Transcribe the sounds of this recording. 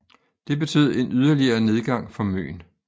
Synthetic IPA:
d̥e̝b̥e̝t͡sʰy̰ːð̩ˠe̝nyðˠɐliɐːne̝ð̞ˠɡ̥ɑ̈ŋ̰fɒ̽mø̰ːn

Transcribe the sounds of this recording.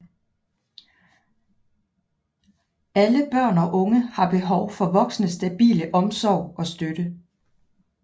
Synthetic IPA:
æləb̥ɶɐ̰nɒ̽ʔɔ̽ŋəhɑ̈b̥e̝ɦɒʊfɒ̽ʋɒ̽ɡ̥snəsd̥æb̥ḭːləʔɒ̽msɒʊ̰ɒ̽sd̥øɾ̥ə

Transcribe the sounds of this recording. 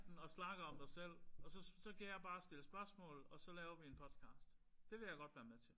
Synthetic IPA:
d̥n̩ɒ̽snɑ̈ɡ̥ɐɒ̽md̥ɑ̈ɪsel̰ɒ̽sɒ̽sɒ̽kʰæjɑ̈ɪb̥ɑ̈ːsd̥e̝ləsb̥ɶɐsmɔ̰̽ːlð̩ˠɒ̽sɒ̽lɛːʊɐʋie̝npʰɒ̽d̥ˠkʰɑ̰̈ːsd̥ | d̥e̝ʋe̝jɑ̈ɡ̥ɒ̽d̥ʋæːɐmet͡sʰe̝l

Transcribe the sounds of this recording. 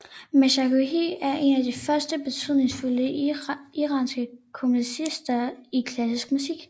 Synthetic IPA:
mæʃɑkuɦiæɐʔe̝næd̥ifɶɐsd̥əb̥e̝t͡sʰyð̰ˠne̝ŋsfuləiʁɑ̈ːnsɡ̥əkʰomlisisd̥ɐikʰlæsisɡ̥musiɡ̥

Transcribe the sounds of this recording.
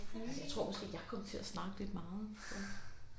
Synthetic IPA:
jat͡sʰʁo̝ɐ̰ɒ̽sɡ̥e̝̰ːjɑ̈ɪkʰɒ̽m̰t͡sʰe̝æsnɑ̈ːɡ̥əle̝d̥mɑ̈ːð̩ˠfɒ

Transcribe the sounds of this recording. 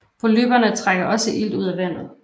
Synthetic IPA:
ʋo̝lyb̥ɐnət͡sʰʁaɡ̥ɐʔɒ̽səʔil̰d̥uð̰ˠæʋæn̰ð̞̩ˠ

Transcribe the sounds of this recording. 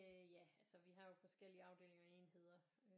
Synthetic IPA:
øjæælsəʋiɦɑ̈jo̝fɒ̽sɡ̥el̰iəɑ̈ʊd̥e̝ːleŋɐe̝̰ːnhe̝ð̞̰ˠɐ | ø

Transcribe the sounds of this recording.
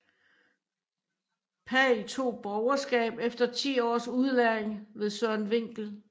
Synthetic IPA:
pʰɛit͡sʰo̝̰ːb̥ɒʊɐsɡ̥ɛ̰ːb̥efd̥ɐt͡sʰḭːɒ̰ːsuð̞ˠlæeŋʋe̝ðˠsœɐ̰nʋe̝ŋ̰ɡ̥l̩

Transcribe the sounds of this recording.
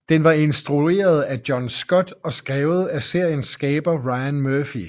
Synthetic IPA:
d̥enʋɑ̈e̝nsd̥ʁue̝̰ːɐð̞ˠæd̥jɒ̽nsɡ̥ɒ̽d̥ɒ̽sɡ̥ʁɛːʊð̞̩ˠæse̝ɐ̰jənsɡ̥ɛːb̥ɐʁɑ̈ɪænmøɐfi

